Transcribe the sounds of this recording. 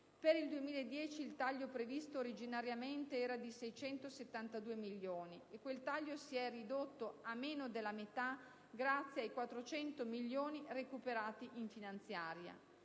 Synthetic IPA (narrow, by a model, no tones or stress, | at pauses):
peɾild̪uemiːlaed̪ːjɛːt͡ʃiːlt̪aʎːopɾevist̪oːɾid͡ʒinaɾjament̪eɛːɾad̪isɛjt͡ʃɛnt̪oset̪ːant̪ad̪uːemilːjoːniekːwelt̪aʎːosiɛrid̪ot̪ːoamːeːnod̪elːamet̪a | ɡɾat̪sːjeajkwat̪ːɾot͡ʃɛnt̪omiʎːoːnirekupeɾaːt̪iʔiɱfinant̪sjaːɾja̰